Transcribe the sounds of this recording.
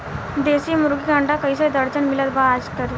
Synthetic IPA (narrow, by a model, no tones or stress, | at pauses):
d̪esiːmuɾɡiɡãɳɖakəisaɽid̪əɾt͡ɕənmilat̪baːd͡zkəɾ